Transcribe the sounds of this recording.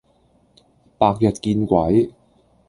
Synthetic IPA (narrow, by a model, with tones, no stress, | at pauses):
paː˧k̚jɐ˨t̚kiː˧nkʷɐ˨˥j